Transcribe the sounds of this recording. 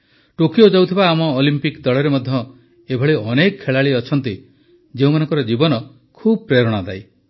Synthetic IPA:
ʈokiod͡ʒawt̪ʰibaːmɔːlimpikd̪ɔɭɔɾemɔd̪ʱjɔ | ebʱɔɭiɔnekɔkʰːeɭaɭiɔt͡ʃʰɔnt̪i | d͡ʒeũmanɔŋkɔɾɔd͡ʒibɔnɔ | kʰubɔpɾeɾɔɽ̃ad̪a̰j

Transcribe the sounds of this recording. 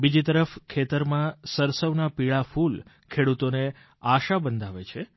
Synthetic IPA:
bid͡ʒit̪əɾəfkʰet̪əɾmãsəɾsəʋnapiɭaful | kʰeɽut̪one | aʃabənd̪ʱaʋet͡ʃʰe

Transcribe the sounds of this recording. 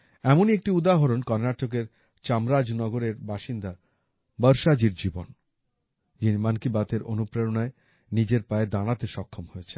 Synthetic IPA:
ɛmoniek̚ʈiud̪aɦoɾonkɔɾnaʈok̬eɾ | t͡ɕamɾad͡ʑnɔɡoɾeɾbaʃind̪a | bəɾʃad͡ʑiɾd͡ʑibon | d͡ʑinimankibat̪eɾo̰nupɾeɾonae | nid͡ʑeɾpaed̪aɽ̃at̪eʃɔkʰːomɦojet͡ɕʰe̥

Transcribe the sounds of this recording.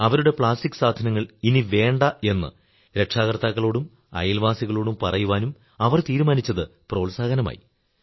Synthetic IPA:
ɐʋɐɾuɽe̞pɭaːstikːɨ̥saːd̪ʱɐnɐŋːɐɭiniʋe̞ːɳɖɐe̞nːɨ̰ | ɾe̞kʂaːɣɐrt̪aːkːɐɭoːɽum | ɐ̰jlʋaːsiɣɐɭoːɽumpɐrɐjuʋaːnum | ɐʋɐrt̪iːɾumaːnit͡ɕːɐðɨpro̞ːlsaːɡɐnɐma̰ːji

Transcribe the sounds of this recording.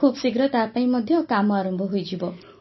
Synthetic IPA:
ubsiɡɾʌt̪apaĩmʌd̪ʱjʌ̃kamaɾʌmbʱʌɦujd͡ʒibʌ

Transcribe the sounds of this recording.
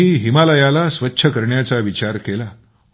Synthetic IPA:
iːɦimaləjalasʋətːɕʰəkəɾɳjat͡saʋit͡ɕaɾkela

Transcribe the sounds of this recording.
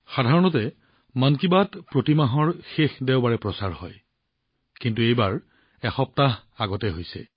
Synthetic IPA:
xadʱaɹɔnɔtɛ | mankibatpɹotimaɦɔɹxexdɛʊbaɹɛpɹɔsaɹhɔ̰j | kintuejbaɹ | ɛxɔp̚taɦaɡɔtɛɦojsɛ̰

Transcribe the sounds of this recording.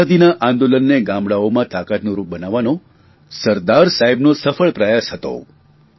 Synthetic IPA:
ad̪inaʔãnd̪olənːeɡãmbɭaomãt̪akat̪nũɾup̚bənaʋano | səɾd̪aɾsaɦibnosəfəɭpɾəjasɦət̪o̰

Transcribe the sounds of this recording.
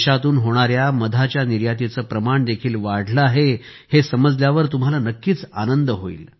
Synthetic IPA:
ɕat̪uːnɦoɽ̃aɾjaməd̪ʱat͡ɕjaniɾjat̪it͡səːpɾəmaɳd̪ekʰiːlʋaɽ̤ləaɦe | hesəməd͡zljaʋəɾt̪um̤alanəkːiːt͡sa̰nənd̪əɦoḭːl

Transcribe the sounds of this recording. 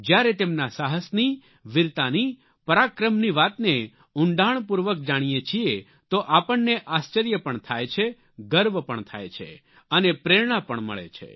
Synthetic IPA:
d͡ʒjaɾet̪emnasaɦəsni | ʋɪɾt̪ani | pəɾakɾəmniʋat̪ne | ʊɳɖaɳ̃puɾʋək̚d͡ʒaɽ̃ijet͡ʃʰie | t̪oʔapəɳːeʔast͡ʃəɾjəpəɳt̪ʰajt͡ʃʰe | ɡəɾʋpəɳt̪ʰa̰jt͡ʃʰḛ | ənepɾeɾɽ̃apəɳmə̰ɭḛt͡ʃʰḛ

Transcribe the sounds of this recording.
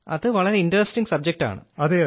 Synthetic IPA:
ɐ̰ðɨʋɐɭɐɾe̞indɐrɐsʈiŋɡsɐb̚d͡ʑek̚ʈa̰ːɳɨ̰ɐðe

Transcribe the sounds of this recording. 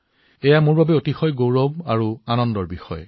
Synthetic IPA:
ɛjamʊɹbabɛotixɔjɡowɹɔbaɹuanɔndɔɹbixɔ̰jɔ

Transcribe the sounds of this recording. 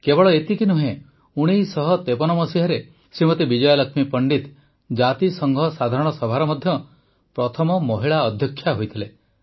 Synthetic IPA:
kebɔɭɔet̪ikinuɦẽ | uɽ̃isɔɦɔt̪epɔnɔmɔsiɦɔɾe | simɔt̪ibid͡ʒɔjɔlɔkʰmipɔɳɖit̪ | d͡ʒat̪isɔŋɡʱɔsad̪ʱaɾɔɽ̃ɔsɔbʱaɾɔmɔd̪ʱjɔ | pɾɔt̪ʰɔmɔmɔɦiɭaɔd̪ʱjɔkʰːjaɦojt̪ʰile

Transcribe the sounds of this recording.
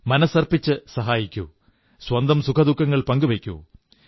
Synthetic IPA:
mɐnɐsɐrpit͡ɕːɨsɐɦaːjikʲːṵ | swɐnd̪ɐmsukʰɐd̪ukʰːɐŋːɐɭpɐŋɡuʋekʲːṵ

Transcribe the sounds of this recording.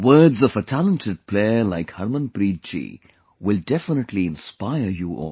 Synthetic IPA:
wəːdzɔvətʰælə̃ntʰəɖ̚pʰleəlaɪkhɐɾmə̃npɾiːd̪̚t͡ʃḭ | wɪldɛfɪnəʈʰliɪ̃nspaɪəɾjuʔɔ̰ːl

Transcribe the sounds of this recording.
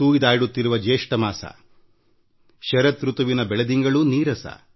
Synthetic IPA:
uːjid̪aːjɽut̪ːiɾuʋɐd͡ʒeːʂʈɐmaːsɐ̰ | ʃɐɾɐt̪ɾut̪uʋinɐbɛɭɐd̪iŋɡɐɭuniːɾɐsɐ̰

